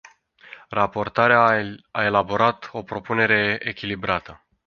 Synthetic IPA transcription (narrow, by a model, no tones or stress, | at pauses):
rapo̞rt̪aɾeaae̞labo̞ɾat̪o̞pɾo̞pune̞ɾe̞ekʲilibɾat̪ə